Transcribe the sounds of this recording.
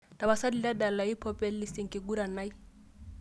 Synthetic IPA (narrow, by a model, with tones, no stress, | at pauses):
tʼa˨ba˨sa˦di˨la˦da˨la˨i˦pʰɔ˦pʼɛ˦llɪ˦sɪ˨ŋ̩kʼɪ˨ɡu˦ɾa˨na˦i˦